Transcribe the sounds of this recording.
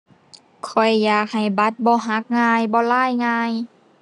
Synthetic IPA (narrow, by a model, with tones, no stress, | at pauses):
kʰɔ˨˩jːaː˨˩k̚ha˨˩jba˧˦t̪̚bɔː˧˦ɦa˧˦˥k̚ŋaː˧jbɔː˧laː˧˥˩jŋaː˧j